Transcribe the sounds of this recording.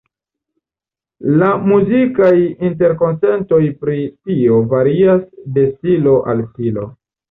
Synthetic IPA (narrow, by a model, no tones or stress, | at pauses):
lamuzikajint̬e̞ɾko̞nse̞nto̞jpɾitio̞vaɾiasde̞silo̞ʔalfilo̞̰